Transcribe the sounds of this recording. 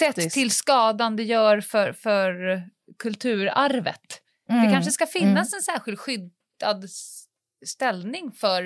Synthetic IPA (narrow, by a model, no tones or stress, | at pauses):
sɛt̪ʰːɪlskɑːd̪and̪əjœːɾfœɾfœɾ | kʰɵlt̪ʰʉ̟ːɾaɾvə̰t̪ | d̪ɛkʰanʂ̬əskafɪnːasɛnsæːɾɧɪlt̪ɧʏd̪ | ad̪ | st̪ɛlnɪŋfœɾ